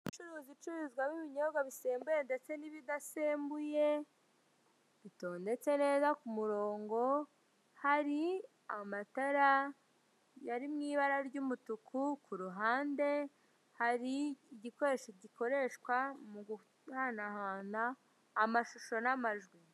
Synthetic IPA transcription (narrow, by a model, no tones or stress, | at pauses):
it͡ʃuɾuːzit͡ʃuɾuzɡwamiβiɲo̞ɾɡaβise̞ːmbujende̞t͡se̞niβidaseːmbuje̞ | βito̞ːnde̞t͡se̞ne̞ːzakumuɾo̞ːŋɡo̞ | haɾi | amataɾa | jaɾimŋiːβaɾaɾɟumutukʰukuɾuɦaːnde̞ | haɾiːɟiko̞ɾe̞ʃiɟiko̞ɾe̞ʃkwamuɡu | hanahaːnaː | maʃuʃo̞namaʒɡwi